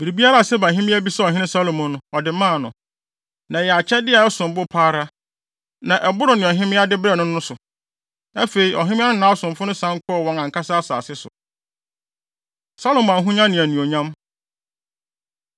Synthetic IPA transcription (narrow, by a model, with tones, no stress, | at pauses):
bi˨ɾi˨bi˦a˦ɾa˦a˨sɛ˦ba˨ɦɪ̃˦mɪ̃˦æ˦bi˦sɛ˦ɔ˨ɦɪ̃˦nɪ̃˦sa˦lo˨mʊ̃˨nʊ̃˨ɔ˨dɪ˨mã˦˨nʊ̰̃˨ | nã˨jɛ˨a˨t͡ɕʰɛ˦dɪ˦a˨ɛ˦sʊ̃˨m˨bʊ˦pʰaː˦ɾa˦ | nã˨ʔɛ˨bʊ˦ɾʊ˨nɪ̃˨ɔ˨ɦɪ̃˦mɪ̃˦a˦dɪ˦bɾɛ˦˨nʊ̃˦nʊ̃˦sʊ˨ | æ˦fe˨i˨ʔɔ˨ɦɪ̃˦mɪ̃˦a˦nʊ̃˦nãː˨˦ɔ˦sʊ̃˨mfʊ˦nʊ̃˦sã˦ŋ˦kʰʊ˦ɔ˦˨wɔ̃˦ŋã˨ŋ̩˨kʰa˦saː˦sa̰ː˨sɪ˦sʊ̰˨ | sa˦lo˨m̃˨ã˨ɦũ˦ɲã˦nɪ̃˨æ˨nũ˨o˨ɲã˦m